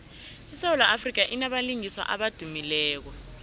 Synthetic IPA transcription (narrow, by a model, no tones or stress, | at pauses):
isawɔlaʔafrik̬aʔinaɓaliŋiswa̰ʔaɓad̥ʱumilɛːk̬ɔ